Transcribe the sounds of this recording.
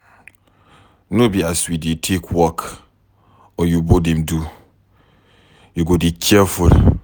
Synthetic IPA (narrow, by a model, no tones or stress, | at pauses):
nõbiasiditʰekʰwɔk | ɔjubodɛ̃mdu | juɡodit͡ʃʰiɛfuɾ